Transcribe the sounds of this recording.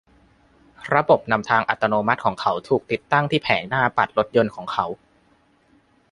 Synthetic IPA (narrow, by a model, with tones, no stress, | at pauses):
ɾa˧bo˨˩p̚na˧mt̪ʰaː˧ŋʔa˨˩t̪ːa˧noː˧ma˦˥t̪̚kʰɔː˩˦ŋkʰa˦˥wt̪ʰuː˨˩k̚t̪i˨˩t̪ːa˥˩ŋt̪ʰiː˥˩pʰɛː˩˦nnaː˥˩pa˨˩t̪̚lo˦˥t̪̚jo˧nkʰɔː˩˦ŋkʰa˦˥w